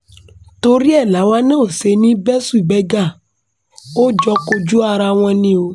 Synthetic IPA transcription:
t̪o˨ɾi˦ɛ˦˨la˨˦wa˦nɛ̃˦wo˨se˨nĩ˦bɛ˦su˦i˨ɡ͡bɛ˦ɡa˦˨ | wo˦d͡ʒɔ˦ko˧d͡ʒu˦a˨ɾa˨w̃ɔ̃˦nĩ˦o˦

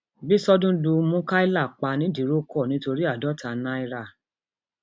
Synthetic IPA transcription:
bi˦sɔ˦dũ˦dũ˧mũ˦ka˦i˦la˦˨k͡pa˧˦nĩ˦di˨˦ɾo˦kɔ˦˨nĩ˦to˧ɾi˦a˦˨dɔ˨˦tʰa˧˨nã˦i˧ɾa˦˨

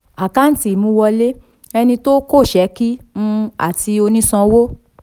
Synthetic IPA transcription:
a˨ka˦n̩˦ti˦˨mũ˧˦wɔ˧le˦ | ɛ˧nĩ˧to˦ko˦˨ʃɛ˨˦ki˦mũ˦˧a̰˨ti˧o˧nĩ˦sɔ̃˧˦wo˦

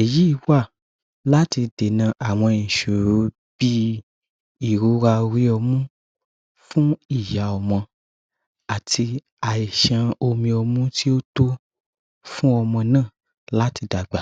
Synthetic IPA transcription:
e˨ji˨˦˧wa˦˨ | la˦ti˧de˨nã˨˦ʔa˨w̃ɔ̃˧i˨ʃu˨ɾu˨˦ | b̥i˦ | i˦˨ɾo˨˦ɾa˧ɾi˦ɔ˧mũ˦ | fũ˦i˦˨ja˨ɔ˨mɔ̃˧ | a˨ti˧ | a˨i˨ʃã˧o˧mĩ˧ɔ˧mũ˦ti˦o˦to˦ | fũ˦ɔ˧mɔ̃˧nãː˦˨ | la˦ti˧da˨ɡ͡ba˨

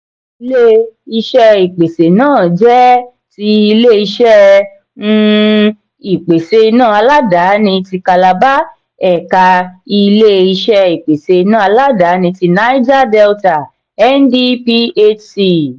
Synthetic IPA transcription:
i˧le˦i˧ʃɛ˦i˨k͡pe˨se˨nãː˦˨d͡ʒɛ˦ | ti˧i˧le˦i˧ʃɛ˦ | nũ˦˧ | i˨k͡pe˨se˧i˧nãː˦˨a˧la˦da˨˦nĩ˧ti˧ka˧la˧ba˦ | ɛ˨ka˧i˧le˦i˧ʃɛ˦i˨k͡pe˨se˧i˧nã˦a˧la˦da˨˦nĩ˧ti˧na˦i˦d͡ʒa˦dɛ˧lta˨ | ɛ˦n˦di˦pi˦e˦i˧˨

